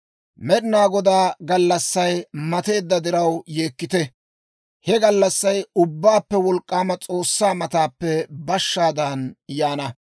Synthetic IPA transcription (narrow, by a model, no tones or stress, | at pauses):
mɛɗɪnaːɡɔd̪aːɡɐlːɐsːɐjmɐt̪e̞ːd̪ːɐd̪ɪɾɐwje̞ːkːɪt̪ɛ | hɛɡɐlːɐsːɐjʊbːaːpːɛwɔlkʼːaːmɐt͡sʼo̞ːsːaːmɐt̪aːpːɛbɐʃːaːd̪ɐnjaːnɐ